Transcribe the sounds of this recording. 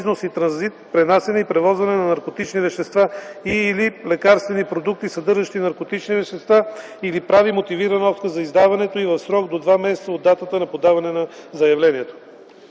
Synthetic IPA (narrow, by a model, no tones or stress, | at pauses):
znosit̪ɾɐnzit̪̚pɾɛnasɛnɛipɾɛvɔzvɐnɛnɐnɐɾkot̪it͡ʃnivɛʃt̪ɛst̪vaiːlilɛkaɾst̪vɛnipɾod̪uk̚t̪isɐd̪ɤɾʒəʃt̪inɐɾkot̪it͡ʃnivɛʃt̪ɛst̪va | ilipɾavimot̪iviɾɐnəɔst̪kəzɐizd̪avɐnɛt̪oivɐfsɾɔɡd̪od̪vamɛsɛt̪səod̪ːat̪ət̪ənɐpod̪avɐnɛnɐzɐjɐvlɛniɛt̪o̥